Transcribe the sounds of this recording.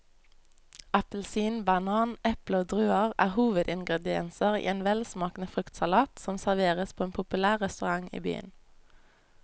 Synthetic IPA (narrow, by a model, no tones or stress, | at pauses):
ɑpəlsiːnbɑnɑːnʔɛpləoːd̪ʁʉːəʁæ̰ːʁhuːʋəd̪ɪŋɡʁɛd̪ɪɛ̰nsəʁḭːeːnʋɛlsmɑːknəfʁʏkt̪sɑlɑːt̪sɔmsæʁʋeːʁəspʰoːeːnpʰʊpʉlæːʁɛst̪ʉʁɑŋḭːby̰ːə̰n